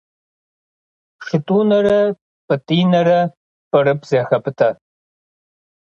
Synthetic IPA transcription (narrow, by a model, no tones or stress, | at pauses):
ʂɨtʼuːnɐɾɐ | pʼɨtʼiːnɐɾɐ | pʼɨɾɨpzeːxɐpʼɨtʰɐ